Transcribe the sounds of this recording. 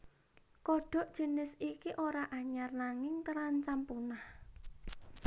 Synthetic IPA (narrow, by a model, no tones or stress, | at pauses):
kɔɖ̥ɔ̤ʔd̥ʒ̥ə̤nɪsikiʔoɾaʔaɲarnaŋɪŋt̪əɾant͡ʃampunah